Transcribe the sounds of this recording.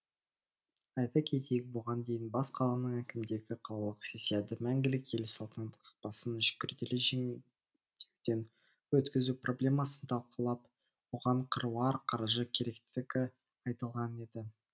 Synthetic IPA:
ɑjt̪ɑkʲʰe̞t̪ejɪk̚bʊʁɑnd̪e̞jɪnbɑsqʰɑlˠɑnəɴækʲɪmd̪e̞ɡʲɪqʰɑlˠɑlˠəqsesed̪ɪmæŋɡʲɪlɪkʰe̞lɪsɑlˠt̪ɑnd̪ə̥qɑ̥q̚pɑsənʒʏ̥kʲɪɾd̪elɪʒe | d̪̥ewd̪̥en | wɵt̪kʲɪzuprʔo̞blʲe̞mɑsənt̪ʰɑlˠqəlˠɑp | woʁɑɴqʰəɾwɑɾqʰɑɾʒəkʲʰe̞ɾe̞kt̪ɪɡʲɪ | ɑjt̪əlˠʁɑne̞d̪ɪ

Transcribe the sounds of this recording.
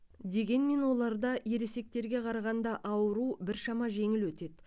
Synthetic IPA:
d̪e̞ɡʲe̞nme̞nwo̞lˠɑɾd̪ɑje̞ɾe̞se̞k̚t̪e̞ɾɡʲe̞qʰɑɾɑʁɑnd̪ɑʔɑwəɾubɪɾʃɑmɑʒe̞ŋɪlwɵt̪e̞d̪

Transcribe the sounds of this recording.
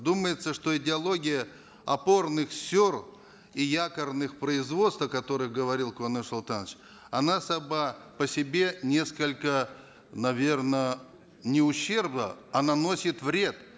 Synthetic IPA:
d̪uməjɪt̪səʂt̪o̞ɪdʲɪɐlˠo̞ɡʲɪjə | ɐpo̞rnɨxsʲor | ijakərnɨxpɾəɪzvo̞t̪st̪vəkɐt̪o̞ɾɨxɡəvɐɾʲilˠkvɐnɨsɐlˠt̪anət͡ɕ | ɐnasɐbapəsʲɪbʲe̞nʲe̞skəlʲkə | nɐvʲe̞rnə | nʲɪʊɕːe̞rbnəɐnano̞sʲɪt̪vɾʲe̞t̪

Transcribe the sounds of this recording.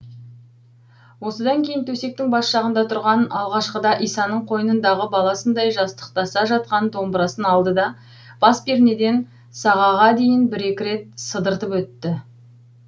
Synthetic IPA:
wo̞səd̪ɑŋkʲʰe̞jɪnt̪ʰɵse̞k̚t̪ɪŋbɑsʃɑʁənd̪ɑt̪ʰʊɾʁɑnɑ̰lˠʁɑʃqəd̪ɑʔijsɑnəɴqʰo̞jənənd̪ɑʁəbɑlˠɑsənd̪ɑjʒɑst̪ə̥qt̪ɑsɑʒɑt̪̚qɑnd̪o̞mbəɾɑsənɑlˠd̪əd̪ɑ | b̥ɑsbeɾne̞d̪e̞n | sɑʁɑʁɑd̪e̞jɪnbɪɾe̞kʲɪɾe̞t̪̚səd̪əɾt̪əpwɵt̪ːɪ

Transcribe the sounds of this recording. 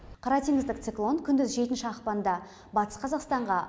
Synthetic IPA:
qʰɑɾɑt̪iŋɡɪzd̪ɪk̚t̪sɨklˠo̞nkʲʰʏnd̪ɪzʒe̞t̪ɪnʃɪɑqpɑnd̪ɑ | bɑt̪ə̥sqʰɑzɑqst̪ɑɴʁɑ

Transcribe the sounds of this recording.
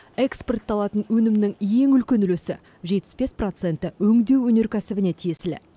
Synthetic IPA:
eksport̪ːɑlˠɑt̪ənwɵnɪmnɪŋje̞ŋʏlkʲe̞nʏlesɪ | ʒet̪ɪ̥zbe̞spro̞t̪se̞nt̪ɪɵŋd̪e̞wɵne̞ɾkʲʰæsɪbɪne̞t̪ʰije̞sɪlɪ̰

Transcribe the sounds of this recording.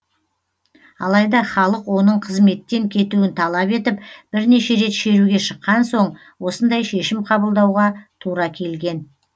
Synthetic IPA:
ɑ̰lˠɑjd̪ɑχɑlˠəqwo̞nəɴqʰəzme̞t̪ːe̞ŋkʲʰe̞t̪uɪnt̪ʰɑlˠɑpe̞t̪ɪpb̥ɪɾne̞ʃe̞ɾe̞t̪ʃe̞ɾuɡʲe̞ʃəqːɑnso̞ɴ | wo̞sənd̪ɑjʃe̞ʃɪmqʰɑbəlˠd̪ɑwʁɑt̪ʰuɾɑkʲʰe̞lɡʲe̞n

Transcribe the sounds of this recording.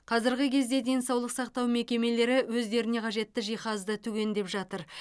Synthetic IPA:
qʰɑzɪɾɡʲɪkʲʰe̞zd̪e̞d̪e̞nsɑwlˠəqsɑq̚t̪ɑwme̞kʲe̞me̞le̞ɾɪwɵzd̪e̞ɾɪne̞qʰɑʒe̞t̪ːɪʒijχɑzd̪ət̪ʰʉɡʲe̞nd̪e̞pʒɑt̪əɾ

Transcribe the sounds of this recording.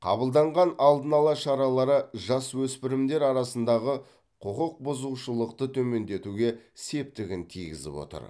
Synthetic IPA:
qʰɑ̰bəlˠd̪ɑɴʁɑnɑlˠd̪ənɑlˠɑʃɑɾɑlˠɑɾəʒɑswɵspɪɾɪmd̪e̞ɾɑɾɑsənd̪ɑʁə | qʰʊqəq̚bʊzuʃəlˠəqt̪ət̪ʰɵme̞nd̪e̞t̪uɡʲe̞se̞p̚t̪ɪɡʲɪnt̪ʰijɡʲɪ̰zɪ̰pwo̰t̪ə̰ɾ

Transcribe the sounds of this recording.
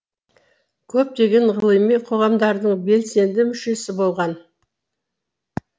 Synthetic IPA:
kʲʰɵp̚t̪e̞ɡʲe̞ɴʁəlˠəjmijqʰo̞ʁɑmd̪ɑɾd̪əɴbe̞lse̞nd̪ɪmʏʃe̞sɪbo̞lˠʁɑn

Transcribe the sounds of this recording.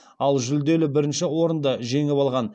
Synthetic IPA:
ɑlˠʒʏld̪e̞lɪbɪɾɪnʃɪwo̞ɾənd̪ɑʒe̞ŋɪβɑlˠʁɑn

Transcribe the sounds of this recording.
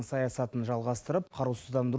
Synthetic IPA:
ɴsɑjɑsɑt̪ənʒɑlˠʁɑst̪əɾəpqʰɑɾusəzd̪ɑnd̪əɾ

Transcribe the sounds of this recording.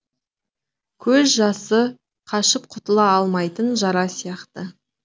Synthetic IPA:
kʲʰɵzʒɑsə | qʰɑʃəp̚qʰʊt̪əlˠɑɑlˠmɑjt̪ənʒɑɾɑsijɑqt̪ə

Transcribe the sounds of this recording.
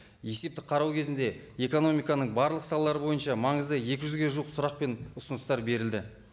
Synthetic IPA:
je̞se̞p̚t̪ɪ̥qʰɑɾɑwkʲʰe̞zɪnd̪e̞e̞ko̞no̞mijkɑnəɴbɑɾlˠəqsɑlˠɑlˠɑɾəbo̞jənʃɑmɑɴəzd̪əje̞kʲɪʒʏzɡʲe̞ʒuqsʊɾɑq̚pe̞nʊsənəst̪ɑɾbe̞ɾɪld̪ɪ

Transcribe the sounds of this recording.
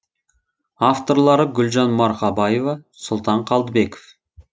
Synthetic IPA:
aft̪o̞ɾlˠɑɾəɡʲʏlʒɑnmɑɾqɑbɑjevɑ | sʊlˠt̪ɑɴqʰɑlˠd̪əbe̞ko̥f

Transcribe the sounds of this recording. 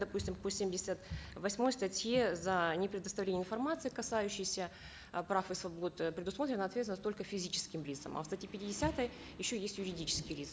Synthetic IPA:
d̪ɐpusʲtʲɪmkosʲemʲdʲɪsʲət̪vɐsʲmo̞jst̪ɐtʲjezɐnʲɪpɾʲɪd̪əst̪ɐvlenʲjɪnfɐrmat̪sɨɪkɐsajʉɕːɪjsʲə | pɾafɨsvɐbo̞t̪pɾʲɪd̪ʊsmo̞t̪ɾʲɪnəɐt̪vʲet̪ʲnət̪olʲkəfʲɪzʲit͡ɕɪ̥skʲɪmlʲit̪sə̰mʔɐ̰fst̪ɐtʲipʲɪtʲɪdʲɪsʲat̪əj | jɪɕːojesʲtʲjʊɾʲɪdʲit͡ɕɪ̥skʲɪjlʲisk

